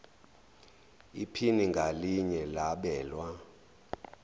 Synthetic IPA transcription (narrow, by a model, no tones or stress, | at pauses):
ipʰiniŋɡʱaliɲɛlaɓɛːlwa